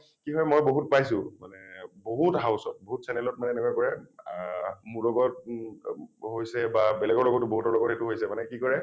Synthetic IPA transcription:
kiɦɔjmojboɦutpajsʊma̰nɛboɦutɦaʊsɔt̚boɦutsɛnɛlɔt̚manɛːnɛkwakɔɹɛ | mulɔɡɔt | ɦojsɛbabɛlɛɡɔɹlɔɡɔtːʊboɦutɔɹlɔɡɔthetuɦojsɛmanɛkikɔɹɛ

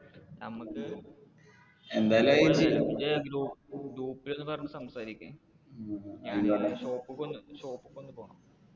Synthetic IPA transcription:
nɐmukːɨ | end̪aːjɐlaieideɡɾuːpɡɾuːpːile̞nːɨpɐrɐɳumsɐmsaːɾikʲːu | ɲaɕo̞ːpːɨkːond̪ɨɕo̞ːpːɨkːond̪ɨpo̞ːɳɐ

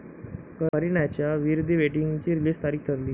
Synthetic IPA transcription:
kəəɾiɳat͡ɕjaʋiɾd̪ʱiːʋeʈiŋɡt͡ɕiːɾiliːst̪aɾiːkʰt̪ʰəɾliː

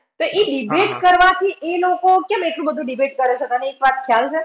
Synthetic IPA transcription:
t̪oʔeɖibeʈkəɾʋat̪ʰielokokɛmeʈlũbəd̪ʱũɖibeʈ̚kəɾet͡ʃʰet̪əneːkʋat̪̚kʰjalt͡ʃʰe

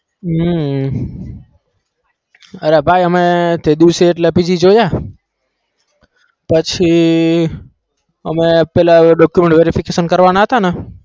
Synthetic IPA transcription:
ɦ | əɾebʱajəmet̪ed̪iseːʈlepid͡ʒid͡ʒoja | pət͡ʃʰi | əmepɛlaɖɔkjumeɳʈʋeɾifikesənkəɾʋanaɦət̪ane

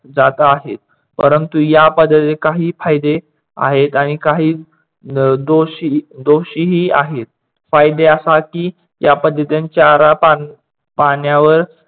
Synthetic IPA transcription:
d͡zat̪aːɦet̪̚ | pəɾənt̪ujapəd̪ʱːət̪ekaɦiːfajd̪e | a̰ɦet̪aɽ̃ikaɦiː | d̪oɕid̪oɕiːɦiːa̰ɦet̪̚ | fajd̪easakiː | japəd̪ʱːət̪jãnt͡ɕaɾapa | paɳjaʋəɾ

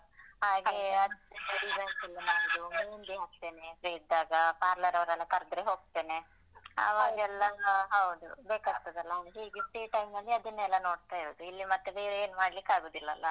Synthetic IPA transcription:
ɦaːɡeɐd̪bɐɾibɐːsilːinaːd̪uinɡ̪eɦaːk̚t̪e̞ːnepɾejd̪aːɡɐpaːɾlɐɾɐʋɾɛlːɐk̪ɐɾd̪ɾeɦo̞ːɡ̚t̪e̞ːne | a̰ʋaːɡɛlːɐɦɐwd̪ubeːkaːɡt̪oːd̪ɐlːɐad̪ɦiːɡesʈiːʈɐjmnɐlːiɐd̪ɐnːɛlːɐno̞ːɽt̪aːjiɾoːd̪uilːimɐt̪ːeb̪eɾeːnmaːɽlikːaːɡoːd̪ilːɐɐlːɐ

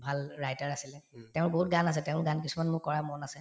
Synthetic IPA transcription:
bʱalɹajtaɹasilɛtɛʊ̃ɹboɦut̚ɡanasɛtɛʊ̃ɹɡankisumanmʊkɔɹamɔnasɛ

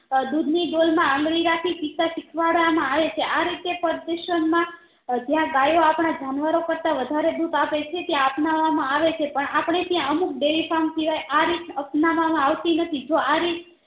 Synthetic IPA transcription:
d̪ud̪ʱniɖolmãə̃ŋɡɽiɾakʰit͡ʃit̪aʃikʰʋaɽʋamãaʋet͡ʃʰeʔaɾit̪epəɾd̪əʃənmã | d͡ʒjãɡajoapɳ̃ad͡ʒanʋaɾokəɾt̪aʋəd̪ʱaɾed̪ut̪apet͡ʃʰet̪jãəpnaʋːamãaʋet͡ʃʰepəɳapɳ̃et̪jãəmuk̚ɖeʋifʰamsiʋajʔaɾit̪əpnaʋamãaʋt̪inət̪ʰid͡ʒoaɾit̪

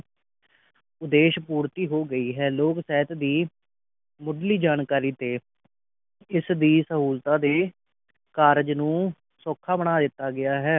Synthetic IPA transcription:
ʊd̪eːʃpuːɾt̪iːɦoːɡəiːɦɛːloːksɛːɦɪt̪d̪iː | mʊɖliːd͡ʒaːɳkaːɾiːt̪eː | ɪsd̪iːsəɦuːlt̪ãːd̪eː | kaːɾd͡ʒnũː | sɔːkʰːaːbəɽaːd̪ɪt̪ːaːɡɪjaːɦɛː

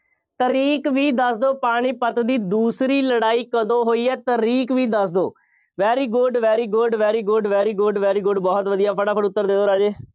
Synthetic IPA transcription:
t̪əɾiːkʋiːd̪əsd̪oːpaːɽ̃iːpət̪d̪iːd̪uːsɾiːləɽaːiːkəd̪õːɦoːiːɛːt̪əɾiːkʋiːd̪əsd̪oː | ʋɛːɾiːɡʊɖʋɛːɾiːɡʊɖʋɛːɾiːɡʊɖʋɛːɾiːɡʊɖʋɛːɾiːɡʊɖbɔːt̪ʋəd̪ijaːpʰəɽaːpʰəɽʊt̪ːəɾd̪eːd̪oːɾaːd͡ʒeː

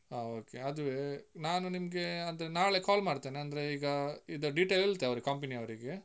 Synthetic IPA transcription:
aːoːkeɐd̪uʋenaːnunimɐɡe̞ɐnd̪ɐɾenaːɭekaːlmaːɖt̪eːneɐnd̪ɐɾe̞iːɡɐid̪ɐɖiʈeːllt̪eɐʋɾikɐmpɐniɐʋɐɾiɡe̞

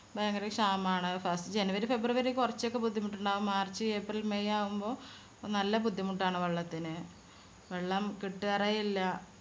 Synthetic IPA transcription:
beŋɡɐɾekʂaːmaːɳɨfɐsʈɨd͡ʑenuʋɐɾufe̞brɨʋɐɾikurɐt͡ɕːo̞kːe̞bud̪ʱːimuʈːuɳɖaːʋumːaːrt͡ɕːɨeːprɐlmejaːʋumbo̞ː | nɐlːɐbud̪ʱːimuʈːaːɳɨʋeɭːɐt̪ːinɨ | ʋeɭːɐmkiʈːɨɐrɐjilːɐ

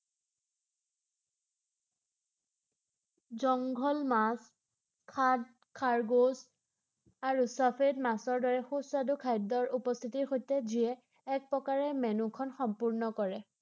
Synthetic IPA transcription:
zɔŋɡʱɔlmas | kʰad | kʰaɹɡoz | aɹusapʰedmasɔɹdɔɹɛxusadukʰajdɔɹupɔst̪ʰitiɹxojtɛziɛː | k̚pɹɔkaɹɛmɛnukʰɔnxɔmpuɹnɔkɔɹɛ

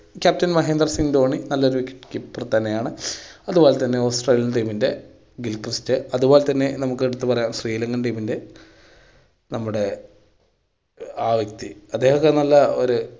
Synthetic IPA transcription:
kʲaːp̚tɐnmɐɦeːnd̪rɐsiŋd̪o̞ːɳinɐlːɐo̞ɾuʋikʲːe̥ʈːkipːurɐt̪ːɐnːejaːɳɨɐðubo̞ːlet̪ɐnːeo̞ːsʈreːlijɐnɖiːminde̞ | ɡilkrɨstɨɐðubo̞ːlet̪ɐnːe̞nɐmukːɨeɽut̪ːɨpɐrɐjaːmɕriːlɐŋɡɐnɖiːminde̞ | nɐmːuɽe̞ | aːʋɐk̚t̪iɐd̪ːe̞ːhɐɣɐnɐlːɐoɾu

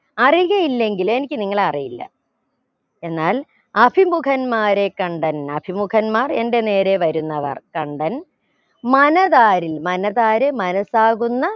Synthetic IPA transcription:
ɐriɣɐjilːe̞ŋɡile̞nikʲːɨniŋːɐɭɐrijilːɐ̰ | e̞nːaːl | ɐpʰimukʰɐnmaːɾe̞kɐɳɖɐnɐpʰimukʰɐnmaːre̞nde̞neːɾe̞ʋɐɾunːɐʋɐ̰rkɐɳɖɐn | mɐnɐðaːɾilmɐnɐðaːɾɨmɐnɐsaːɣunːɐ

